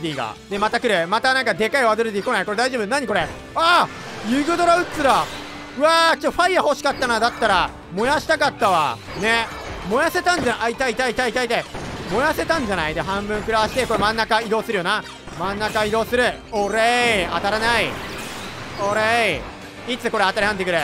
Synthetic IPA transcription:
d̪ʲiːɡa̰d̪e̞mat̪akɯ̟ɾɯmat̪anãŋkad̪e̞kaiβad̪oɾɯd̪iːko̞naiko̞ɾe̞d̪aiʑobɯnãɲːiko̞ɾe | a | jɯɡɯ̟d̪o̞ɾaɯ̟t͡sɨɾa | ɯ̟at͡ɕotːoɸaiːaho̞ɕi̥kat̪ːanad̪at̪ːaɾa | mo̞jaɕi̥t̪akat̪ːaβa̰ | ne̞ | mo̞jase̞t̪ãɲ̟d͡ʑanaait̪ait̪ait̪ait̪ait̪aimo̞jase̞t̪ãɲ̟d͡ʑanaid̪eɦãmbɯ̟̃ŋkɯ̟ɾaaɕi̥t̪e̞ko̞ɾe̞mãnːakaid̪o̞ːsɨɾɯ̟jo̞na | mãnːakaid̪o̞ːsɨɾɯ̟ | oɾea̰t̪aɾanai | oɾe | it͡sɨko̞ɾe̞at̪aɾʲihãnekɯ̟ɾe

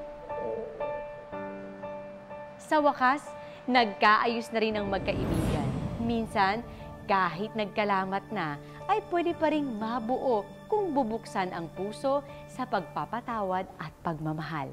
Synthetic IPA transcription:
sɐwɐkas | nɐɡ̚kaːʔɐjʊsnɐɾɪnɐŋmɐɡ̚kɐʔɪbiːɡɐnminsɐn | kaːɦɪt̪̚nɐɡ̚kɐlaːmɐt̪̚nɐ | ʔɐjpwɛd̪ɪpɐɾɪŋmɐbʊʔo̞ | kʊŋbʊbʊksanʔɐŋpuːso̞ | sɐpɐɡ̚papɐt̪aːwɐd̪̚ʔɐt̪̚pɐɡ̚mɐmɐɦa̰l

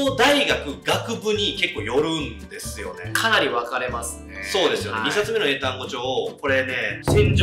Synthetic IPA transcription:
od̪aiɡakɯ̟ɡakɯ̟bɯ̟ɲ̟ike̞kːoːjo̞ɾɯ̟̃nd̪e̞sɨjo̞̰ne̞̰kʰanaɾʲiβakaɾe̞masɨ̥so̞ːd̪e̞sɨjo̞neɲisat͡sɨme̞noe̞ːt̪ãŋɡo̞t͡ɕo̞ːko̞ɾe̞ne̞ɕĩɲd͡ʑ

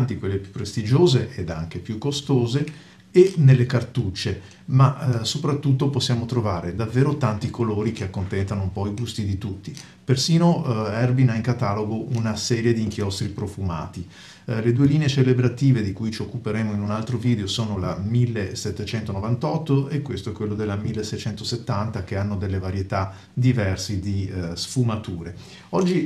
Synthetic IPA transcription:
nt̪ikwelːepjupːɾest̪id͡ʒoːzeʔed̪aŋk̟epjukːost̪oːzeː | nelːekart̪ut͡ʃːe | masopɾat̪ːut̪ːoposːjaːmot̪ɾovaːɾed̪avːeːɾot̪ant̪ikʰoloːɾik̟eakːont̪ɛnt̪anoumpɔiɡust̪id̪it̪ut̪ːi | persiːnoɛrbinaiŋkat̪aːloɡoʔunasɛːɾjed̪iːŋkjɔst̪ɾipɾofuma̰ːt̪i | led̪ueliːneet͡ʃelebɾat̪iːved̪ikujt͡ʃiokːupeɾeːmoinunalt̪ɾoviːd̪eosoːnolamilːesɛt̪ːet͡ʃɛnt̪onovant̪ɔt̪ːoekwest̪oɛkwelːod̪elːamilːesːɛjt͡ʃɛnt̪oset̪ːant̪ak̟eanːod̪elːevaɾjet̪a | d̪ivɛrsid̪isfumat̪uːɾe | ɔd͡ʒːi

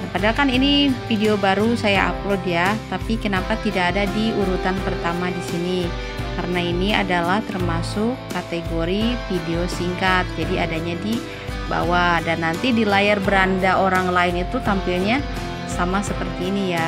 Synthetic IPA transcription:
nakadalkaninifideobaɾusajaʔa̰plodjat̪apikənapat̪idakːdadiuɾut̪anpərt̪amadisini | kaɾənainia̰dalaht̪ərmasʊkːat̪eɡoɾifideosiŋkat̪̚d͡ʒadiadaɲadi | ba̰wadanːant̪idilajarbəɾandaʔoɾaŋlaɪnit̪ut̪ampilɲa | samasəpərt̪iːnija

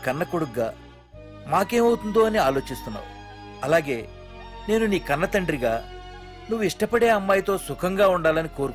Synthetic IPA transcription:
kɐnːɐkuɽuɡːaː | maːke̞ːmɐwut̪und̪oːɐniaːlo̞ːt͡ʃist̪unːa̰ːu | ɐlaːɡe̞ː | ne̞ːnuniːkɐnːɐt̪ɐɳɖɾiɡaː | nuʋːuiʂʈɐpɐɽe̞ːɐmːaːjt̪o̞ːsukʰɐŋɡaːuɳɖaːlɐniko̞ːɾk

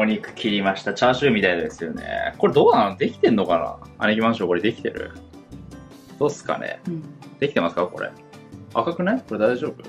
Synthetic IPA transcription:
moɲ̟ʲikɯ̟̥kʲʰiɾʲimaɕi̥t̪at͡ɕaːɕɨːmʲit̪aid̪d̪e̞sɨjo̞nḛko̞ɾe̞d̪o̞ːnad̪e̞kʲi̥t̪ẽ̞nːo̞kana̰a̰nekʲimãɰ̃ɕoko̞ɾed̪e̞kʲi̥t̪e̞ɾɯ̟̰ | d̪̥o̞ːsɨ̥ka̰nḛd̪̥e̞kʲi̥t̪e̞masɨ̥kako̞ɾḛ | βakakɯ̟naiko̞ɾe̞d̪aiʑo̞ːbɯ̟

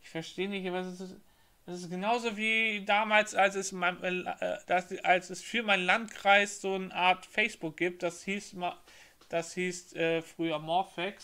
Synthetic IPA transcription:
ʔɪçfɛɐʃteːənɪçtʔabasɛsɪs | d̥ɛsɪsɡ̥ənaʊzoːviːdaːmaːlsalsɛsmaɪʔɛd̥asʔalsɛsfyːɐmaɪnənlant̚kʁ̥aɪsz̥oːnʔaːɐtfɛɪsb̥ʊk̚ɡ̥iːp̚t̚d̥ashiːsma | d̥ashiːstʔɛːfʁ̥yːɐmɔɐfɛks

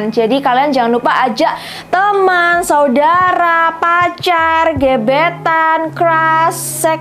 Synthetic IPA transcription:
nd͡ʒadikaliand͡ʒaŋanlupaʔad͡ʒaʔ | t̪əmansaudaɾapat͡ʃarɡebet̪ankɾasːɛ

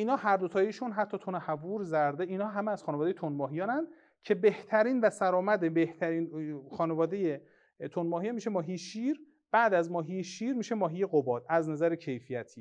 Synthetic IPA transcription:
ʔiːnɒːɦæɾd̪ot̪ʰɒːjiʃunɦæt̪ʰːɒːt̪ʰonehævuːɾzæɾd̪eiːnɒːɦæmeæz̥xɒːnevɒd̪ejet̪ʰonmɒːɦijɒːnænd̪̥ | cʰe̞beht̪ʰæɾiːnvæsæɾɒːmæd̪ebeht̪ʰæɾiːnxɒːnevɒːd̪e̞je | t̪ʰonmɒːɦijɒnmiːʃemɒːɦijeʃiːɾ | b̥æːd̪æzmɒːɦijeʃiːɾmiːʃe̞mɒːɦijeɣobɒːd̪̥̚æznæzæɾecʰe̞jfijæt̪ʰiː

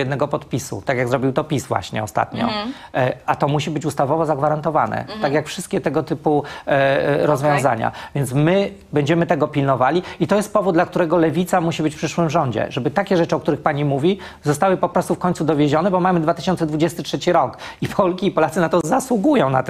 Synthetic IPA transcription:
jɛd̪nɛɡɔpɔt̪pʲisṵt̪akʲjaɡzɾɔbʲiwt̪ɔpʲisvwa̰ɕɲɛ̰ɔst̪a̰t̪ɲɔ̰ | at̪ɔmuɕibɘt͡ɕust̪avɔvɔzaɡvaɾant̪ɔva̰nɛ̰t̪akjakfʂɘst̪̚kʲɛt̪ɛɡɔt̪ɘpu | ɾɔzvʲjɔ̃w̃za̰ɲa̰vʲjɛnsmɘ | bɛɲd͡ʑɛmɘt̪ɛɡɔpʲilnɔvalʲiit̪ɔjɛst̪̚pɔvud̪d̪lak̚t̪uɾɛɡɔlɛvʲit̪samuɕibɘt͡ɕfpʂɘʂwɘmʐɔɲd͡ʑɛ̰ʐɛbɘt̪akʲɛʐɛt͡ʂɘɔkt̪uɾɘxpaɲimuvʲi | zɔst̪awɘpɔpɾɔst̪ufkɔɲtsud̪ɔvʲjeʑɔnɛbɔmamɘd̪vat̪ɘ̥ɕɔnt̪sɛd̪vud͡ʑɛst̪ɘtʂɛt͡ɕiɾɔkipʰɔlkʲiːpɔlat̪sɘnat̪ɔzaswuɡujɔ̃w̃na̰t̪

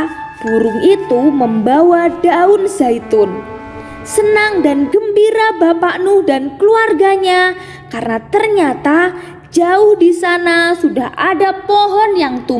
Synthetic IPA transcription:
b̥uɾʊŋit̪uməmbawadaʊnzait̪ʊn | sənaŋdanɡəmbiɾabapaʔnʊhdankəluarɡaɲa | karnat̪ərɲat̪a | d͡ʒaʊhdisanasudaɦʔadapɔɦɔnjaŋt̪u

